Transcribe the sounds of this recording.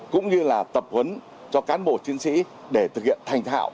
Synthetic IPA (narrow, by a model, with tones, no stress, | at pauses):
kʊ̰˧˥ŋ͡mɲɨ˧laː˨˩t̪ə˨˩p̚hə˨˦n | t͡ɕɔ˧kaː˨˦nɓo̰˧˩t͡ɕi˨˦ənsḭ˧˥ | ɗe˧˩t̪ʰɨ˨˩k̚hḭ˧˨ənt̪ʰa˧˩jŋ̟t̪ʰa̰ː˧˨w